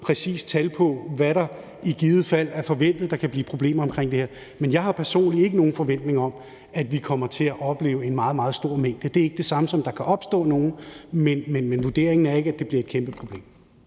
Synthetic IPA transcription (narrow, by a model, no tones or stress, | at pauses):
pʰʁɛsḭːst͡sʰælpʰɒ̽ʋæɾɑ̈ | iɡ̥iːð̩ˠfæl̰æɐfɒ̽ʋen̰d̥ð̩ˠd̥ɑ̈kʰæb̥liːpʰʁo̝b̥le̝̰ːmɐɒ̽mkʰʁeŋ̰d̥e̝hḛɐ | menjɑ̈ɪɦɑ̈pʰæɐso̝̰ːnlie̝ɡ̥əno̝ːn̩fɒ̽ʋen̰d̥ne̝ŋɐɒ̽m | æd̥ʋikʰɒ̽m̰ɐt͡sʰe̝æʔɒ̽b̥le̝̰ːʊəe̝nmɑ̈ːð̞̩ˠmɑ̈ːð̞̩ˠsd̥o̝ɐ̰meŋ̰d̥əd̥e̝æɐe̝ɡ̥əd̥e̝sɑ̈məsɒ̽md̥ɑ̈kʰæʔɒ̽b̥sd̥ɔ̰̽ːno̝ːn̩menmenmenʋud̥e̝ɐ̰eŋn̩æɐe̝ɡ̥əæd̥e̝b̥liɐed̥̚kʰemb̥əpʰʁo̝b̥le̝̰ːm